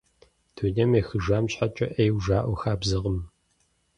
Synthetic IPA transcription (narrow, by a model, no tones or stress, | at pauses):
d̥ʰunɐmexɨʒaːmɕħat͡ʃʼɐʔejwʒaːʔʷɔxaːbzɨʁəm